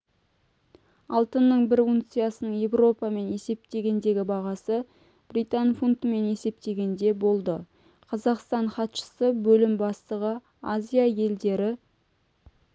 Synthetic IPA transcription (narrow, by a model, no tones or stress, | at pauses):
ɑlˠt̪ənːəɴbɪɾuŋt̪sɨjasənəɴje̞vro̞pɑme̞ne̞se̞p̚t̪e̞ɡʲe̞nd̪e̞ɡʲɪbɑʁɑsə | b̥rit̪anfunt̪me̞ne̞se̞p̚t̪e̞ɡʲe̞nd̪e̞bo̞lˠd̪ə | qʰɑzɑqst̪ɑɴχɑt̪ʃə̥səbɵlɪmbɑst̪əʁə | azʲijaje̞ld̪e̞ɾɪ